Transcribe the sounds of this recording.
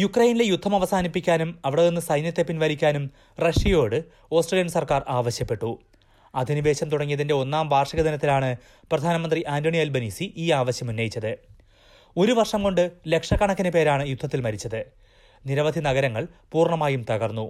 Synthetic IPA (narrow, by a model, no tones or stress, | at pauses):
jukrɐjnile̞jud̪ʱːɐmɐʋɐsaːnipːikʲːaːnumɐʋiɽɐðenːɨsɐjnjɐt̪ːe̞pːinʋɐɾikʲːaːnum | rɐʂijo̞ːɽɨ | o̞ːsʈrelijɐnsɐrkaːraːʋɐɕjɐpːe̞ʈːu | ɐd̪ʱiniʋe̞ːɕɐmt̪uɽɐŋːijɐðinde̞o̞nːaːmʋaːrʂɐɣɐd̪ɐnɐt̪ːilaːɳɨ | prɐd̪ʱaːnɐmɐnd̪riʔaːndoɳielbɐniːsiʔiːaːʋɐɕjɐmunːɐjit͡ɕːɐðɨ | o̞ɾuʋɐrʂɐmko̞ɳɖɨle̞kʂɐkɐɳɐkʲːɐnɨpe̞ːɾaːɳɨjud̪ʱːɐt̪ːilmɐɾit͡ɕːɐðɨ | niɾɐʋɐd̪ʱinɐɣɐɾɐŋːɐɭpuːrɳɐmaːjumt̪ɐɣɐrnːu